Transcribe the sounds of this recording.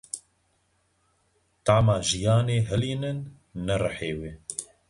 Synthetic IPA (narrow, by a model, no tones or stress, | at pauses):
t̪aʕmɑːʒijɑːneːɦɛliːnɨnː | ɛrɨħeːweː